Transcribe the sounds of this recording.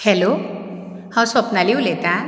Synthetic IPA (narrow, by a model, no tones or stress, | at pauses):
helo | hãwsɔpnaliwlet̪a